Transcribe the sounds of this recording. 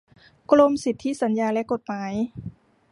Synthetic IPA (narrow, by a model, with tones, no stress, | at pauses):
klo˧msi˨˩t̪ʰːi˦˥˨sa˩˦njaː˧lɛ˦˥ʔko˨˩t̪̚maː˩˦j